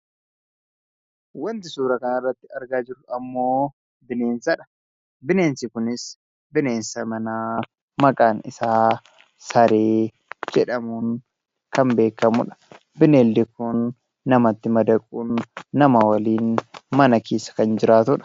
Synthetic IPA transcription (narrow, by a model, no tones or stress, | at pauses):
wɐnt̪ɪsuːɾɐkɐnɐrːɐt̪ːɪɐɾɡaːd͡ʒɪɾʊɐmːo̞ː | bɪne̞ːnsɐᶑɐ̥ | bɪne̞ːnsɪkʊnɪs | bɪneːnsɐmɐnaː | mɐkʼaːnɪsaː | sɐɾeː | d͡ʒɛᶑɐmuːŋ | kɐmbe̞ːkːɐmʊᶑɐ̥ | bɪneːlːɪkʊnː | ɐmɐt̪ːɪmɐd̪ɐkʼuːnːɐmawɐliːnmɐnɐkʰeːsɐ̥kɐnd͡ʒɪɾaːt̪ʊᶑɐ̥